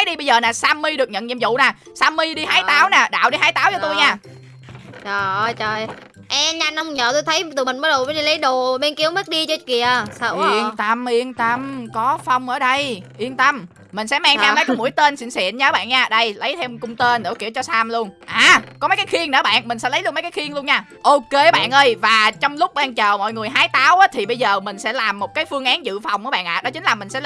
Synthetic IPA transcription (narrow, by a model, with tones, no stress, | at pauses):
jɗi˧ɓə˧jzəː˨˩naː˨˩saː˧mːi˧ɗɨ˨˩ək̚ɲə̰˧˨nɲḭ˧˨əzṵ˧˨naː˨˩ | saː˧mːi˧ɗi˧haː˨˦jt̪aː˨˦wnaː˨˩ɗa̰ː˧˨wɗi˧ɦaː˨˦jt̪aː˨˦wt͡ɕɔ˧t̪u˧jɲaː˧˩ | ɗɔ˨˩˧jt͡ɕə˨˩j | ʔɛ˧ɲa˧nə˧wŋ͡mɲə̰ː˨˩t̪u˧jt̪ʰə˨˦jt̪ɨ˨˩mï˨˩ŋ̟məː˨˦jɗo˨˩ə˨˦jɗi˧lə˨˦jɗo˨˩ɓe˧nki˨˦əwm˦˥t̚ɗi˧t͡ɕɔ˧˩ki˨˩əsaː˧i˧əŋt̪ə˧mʔi˧əŋt̪ə˧mkɔ˨˦fa˧wŋ͡mʔəː˧˩ɗə˧jʔi˧ənt̪ə˧mː | ï̟˨˩sɛ̰˧˥maː˧ŋtʰɛː˧mlə˨˦jkɔ˨˦mṵ˧˥əjt̪e˧nsḭ˧˨nsḭ˧˨nɲː˧˨˦ɓa̰ː˧˨nɲaː˧ɗə˧jlə˨˦jt̪ʰɛ˧wmkʊ˧ŋ͡mt̪e˧nɗo̰˧˩ki˧˩əwt͡ɕɔ˧saː˧mlu˧ənʔaː˨˩kɔ˨˦mə˦jkaː˨˦jxi˧əŋnɨ̰˧˨˩ɓa̰ː˧˨nmï̟˨˩sɛ̰˧˥lə˨˦jlnmə˨˦jkaː˨˦jxwi˧əŋlu˧ənɲaː˧˩ | ʔo˧ke˧˩ɓa̰ː˧˨nʔəː˧jvaː˨˩t͡ɕɔ˧wŋ͡mlʊ˦˥k͡p̚ɓaː˧ŋt͡ɕəː˨˩mɔ̰˧˨jŋɨ˨˩əjɦaː˨˦jt̪aː˨˦wʔaː˨˦t̪ʰi˨˩ɓə˧jzəː˨˩mï˨˩ŋ̟sɛ̰˧˥laː˨˩mːo˨˩t̚kaː˨˦jfɨ˧əŋʔaː˨˦nzɨ̰˧˨fa˨˩wŋ͡mʔəː˧˨˦ɓa̰ː˧˨nʔa̰ː˧˨˩ɗɔ˨˦t͡ɕï˨˦ŋ̟laː˨˩mï˨˩ŋ̟sɛ̰˧˥